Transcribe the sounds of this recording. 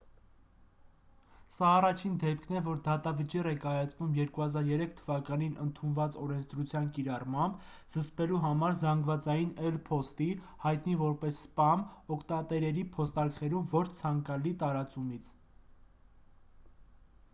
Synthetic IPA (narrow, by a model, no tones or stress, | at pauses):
sɑːrɑt͡ʃʰind̪ɛp̚kʰnɛvɔɾd̪ɑt̪ɑvət͡ʃirɛkɑjɑt͡svumjɛɾkuhɑzɑɾjɛɾɛkʰt̪ʰəvɑkɑninʔənt̪ʰunvɑt͡sɔɾɛnt͡sʰd̪ɾut͡sʰjɑnkiɾɑrmɑmb | z̥əspɛluɦɑmɑɾzɑŋɡvɑt͡sɑjinɛlpʰɔst̪i | hɑjt̪nivɔɾpɛsːpɑnɔkʰt̪ɑt̪ɛɾɛɾipʰɔst̪ɑɾkχɛɾumvɔt͡ʃʰt͡sʰɑŋkɑlit̪ɑɾɑt͡sumit͡sʰ